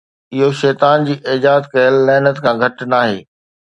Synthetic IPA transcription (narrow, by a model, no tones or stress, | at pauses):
ɪɦoʃɛːt̪aːnd͡ʑiːʔɪːd͡ʑaːd̪kɐjəlːɛːnət̪kʰãɡʱɐʈnaːɦḛː